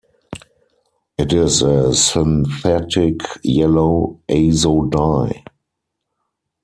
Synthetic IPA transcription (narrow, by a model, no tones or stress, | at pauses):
ʔɪtɪzəsɪ̃nθɛtɪkjɛloʊʔeɪzoʊdaɪ